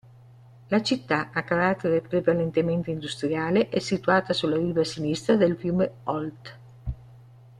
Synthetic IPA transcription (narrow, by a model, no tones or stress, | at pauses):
lat͡ʃit̪ːaakːaɾat̪ːeɾepɾevalent̪ement̪eind̪ust̪ɾjaːleʔɛsːit̪uaːt̪asulaɾiːvasinist̪ɾad̪elfjuːmeɔlt̪